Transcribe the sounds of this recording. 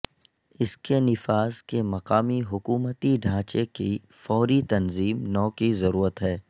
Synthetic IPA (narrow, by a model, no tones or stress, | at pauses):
ɪskenɪfaːzkemɐqaːmiɦʊkuːmət̪iɖʱãːt͡ʃeki | fɔːɾit̪ɐnziːmnɔːkizɐɾuːɾət̪ɦɛː